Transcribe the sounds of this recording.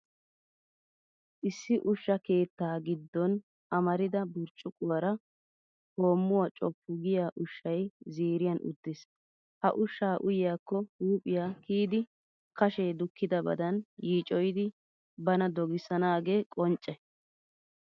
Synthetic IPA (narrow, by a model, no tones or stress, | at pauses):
ʔɪsːɪʔʊʃːɐke̞ːt̪ːaːɡɪd̪ːɔn | ʔɐmɐɾɪd̪ɐbʊɾt͡ʃʼːʊkʼʊwɐɾɐ | ho̞ːmːʊwaːt͡ʃʼɔpːʊɡɪjaːʔʊʃːɐjziːɾɪjɐnʊ̰d̪ːɪs | hɐ̰ʔʊʃːaːʔʊjɪjaːkːɔhuːpʼɪjaːkiːd̪ɪ | kɐʃɛjd̪ʊkːɪd̪ɐbɐ̰d̪ɐnjiːt͡ʃʼɔjɪd̪ɪ | bɐnɐd̪ɔɡɪsːɐnaːɡe̞ːkʼɔnt͡ʃʼːɛ